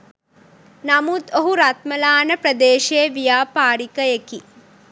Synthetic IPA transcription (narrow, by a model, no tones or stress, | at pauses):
nɐmut̪oɦuɾat̪mɐlaːnɐpɾɐd̪eːʃeːʋijaːpaːɽikɐjeki